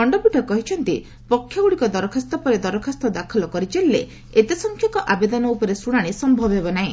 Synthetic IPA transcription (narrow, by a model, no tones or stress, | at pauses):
ɔɳɖɔbuʈɔkɔɦit͡ʃʰɔnt̪i | pɔkʰːjɔɡuɽikɔd̪ɔɾɔkʰast̪ɔpɔɾed̪ɔɾɔkʰast̪ɔd̪akʰɔlɔkɔɾit͡ʃelːe | et̪esɔŋkʰjɔŋkɔʔabed̪ɔnɔupɔɾesuɽ̃aɽ̃isɔmbʱɔbɦebɔnaĩ